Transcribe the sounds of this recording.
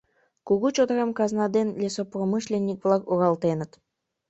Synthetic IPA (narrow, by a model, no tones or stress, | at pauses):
kuɣut͡ɕod̪ɾɑmkɑznɑd̪enlʲesopromɨʃlʲenʲːik̚vlˠɑkuʁɑlˠt̪enə̆t̪